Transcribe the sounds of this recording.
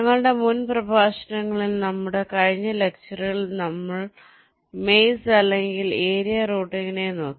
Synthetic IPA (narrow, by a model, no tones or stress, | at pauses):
ɲɐŋːɐɭɽe̞munprɐbʱaːɕɐnɐŋːɐɭilnɐmːuɽe̞kɐɻiɲːɐle̞k̚t͡ɕɐriɣɐɭnɐmːɐɭ | me̞jsɐlːe̞ŋɡile̞ːɾijɐroːʈːieŋːɐne̞no̞ːkːi